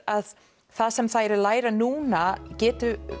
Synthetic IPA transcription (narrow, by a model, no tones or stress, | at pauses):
að | θasɛmθaɛɾɪlaːjɾanuːnacɛːt̪ʏ